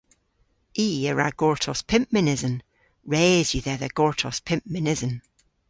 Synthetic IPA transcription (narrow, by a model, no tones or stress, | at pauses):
iːəɹa̰ɡ̥ɔɹtʰɔspʰɪ̃mp̚mɪnɪzə̃n | ɹeːzjəðɛðəɡ̥ɔɹtʰɔspʰɪ̃mp̚mɪnɪzə̃n